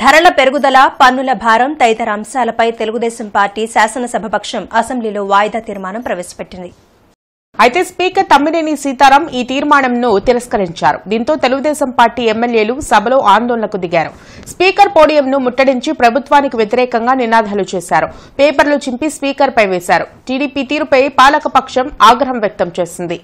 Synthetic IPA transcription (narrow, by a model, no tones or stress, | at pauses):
d̪ʱɐɾɐɭɐpe̞ɾuɡud̪ɐlapɐnːulɐbʱaːɾɐmt̪ɐjt̪ɐɾɐɐmsaːlɐpɐjt̪e̞luɡud̪ɛːsɐmpaːɾʈːiːsaːsɐnɐsɐbʱɐbɐkʂɐmɐsɐmbliloːʋaːjd̪aːt̪iːɾmaːnɐmpɾɐʋeːsɐ̥peʈːind̪i | ɐjt̪e̞ːspiːkɐɾt̪ɐmːinenisiːt̪aːɾɐmiːt̪iːɾmaːɳɐmnut̪iɾɐskɐɾiɲt͡ʃaːɾṵd̪iːnt̪o̞ːt̪e̞luɡud̪ɛːsɐmpaːɾʈːiːɛmːelje̞ːlusɐbʱɐlo̞ːʔaːnd̪oːɭɐɳɐkud̪iɡaːɾu | spiːkɐɾpo̞ːɽijɐmnumuʈːɐɽiɲt͡ʃipɾɐbʱut̪ʋaːnikiʋjet̪iɾɛːkɐŋɡaːninaːd̪ʱaːlut͡ʃeːsaːɾupeːpɐɾlut͡ʃimpispiːkɐɾpɐjʋeːsaːɾuʈiːɽiːpiːt̪iːɾupɐjpaːlɐkɐpɐkʂɐmaːɡɾɐɦɐmjɐk̚t̪ɐmt͡ʃe̞ːsind̪i